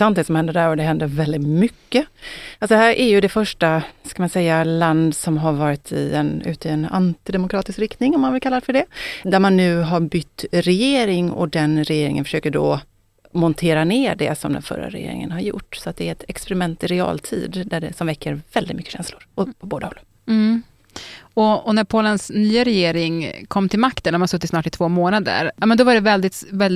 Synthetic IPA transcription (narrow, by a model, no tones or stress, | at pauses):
an̚d̪ɛsɔmhɛnd̪əɖæɾɔd̪ɛɦɛnd̪əɾvɛld̪ɪt̪mʏkːəalsɔd̪ɛɦæːɾʔæɾjɵd̪ɛfœʂʈaskamansɛjːaland̪sɔmɦaɾvɑːɾɪt̪ʰɪ̰ɛnʉ̟̰ːt̪əɛna̰nt̪ɪd̪ɛmʊkʰɾɑːt̪ɪskɾɪkt̪nɪŋɔmːanvɪlkalːaɾɛfœɖɛd̪æɾmanːʉ̟ːɦaɾbʏt̪ːɾɛjeːɾɪŋɔ̰d̪ɛnɾɛjeːɾɪ̰ŋə̰nfœ̥ʂøːkəɖɔ | mɔnt̪ʰeːɾaneːɖɛ̰sɔmd̪ɛ̰nfœ̰ɾːa̰ɾɛ̰jḛːɾɪ̰ŋə̰nhaɾjʊ̰ʈːsɔat̪̚d̪ɛæɾɛt̪ʰɛkspɛɾɪmɛnt̪ɪɾɛɑ̰ːlt̪ʰḭːd̪d̪æɖɛsɔmvɛkʰːəɾvɛld̪ɪt̪mʏkːə̥ɕɛ̰nslʊɾɔpʰɔboːd̪ahɔl̩ː | ɔɔnæɾpʰoːlənsnyːaɾɛjeːɾɪŋkʰɔmːt̪ʰɪlmakt̪ənmansɵt̪ːɪt̪snɑːʈɪt̪ʰv̥oːmoːnad̪ə̰ɾjɑmɛnd̪ɔvaɖɛvɛld̪ɪt̪vɛld̪